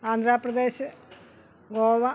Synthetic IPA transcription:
aːnd̪ʱɾaːprɐd̪eːɕɨ | ɡoːʋɐ

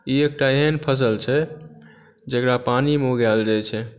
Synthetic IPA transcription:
iek̚ʈaeɦənpʰəs̬əlt͡ʃʰɛ | d͡ʒəkɾapanimoɡald͡ʒat͡ʃʰɛ

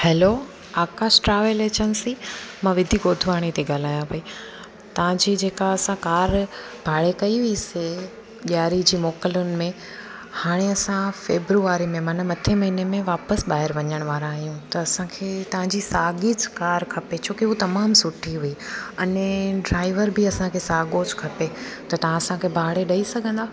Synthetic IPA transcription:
hɛːlo | aːkaːʃʈɾaːʋelet͡ɕɐnsimãʋɪd̪ʱiɡoːd̪ʱʋaːɽ̃it̪ʰeɡaːl̤aːjãpɐi | t̪ɐʋ̤ãd͡ʑiːd͡ʑeːkaɐsãkaːɾ | bʱaːɽekɐiʋiise | ɓɪjaːɾid͡ʑiːmɔːkəlʊnɪ̆mẽ | haːɽ̃eɐsãfeːbɾuaːɾimẽmɐnəmɐt̪ʰemɐɦinemẽʋaːpəsbaːɦɪɾʋɐɲəɽ̃ʋaːɾãːɦijũt̪ɐːsãkʰeːt̪ɐʋ̤ãd͡ʑisaːɡid͡ʑkaːɾkʰɐpet͡ɕʰoːkiɦut̪ɐmaːmsʊʈʰiɦuiɐnɖɾaːɪʋəɾbiɐsãkʰeːsaːɡod͡ʑkʰɐpet̪ɐt̪ɐʋ̤ãɐsãkʰeːbʱaːɽeɗɐisɐɡʱə̃nd̪aː

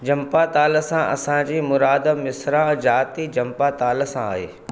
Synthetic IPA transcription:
d͡ʑɐ̃mpat̪aːləsãʔɐ̰sãd͡ʑiːmʊɾaːd̪mɪsɾãd͡ʑaːt̪id͡ʑɐ̃mpat̪aːlə̆sãa̰ːɦḛː

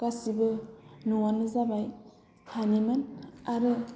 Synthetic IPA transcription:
kasibɯnuwanːɯzabaj | hanimanaɾɯ

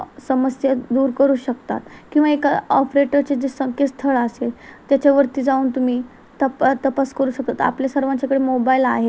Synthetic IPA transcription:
səməsjad̪uːɾkəɾuːɕəkt̪a̰t̪kĩʋaekaɔpɾeʈəɾt͡sed͡zesəŋkest̪ʰəɭəset̪jat͡ɕaʋəɾt̪iːd͡zauːnt̪um̤iː | t̪əpt̪əpaskəɾuːɕək̚t̪at̪a̰pljasəɾʋãɲt͡ɕakəɽemobailaɦe

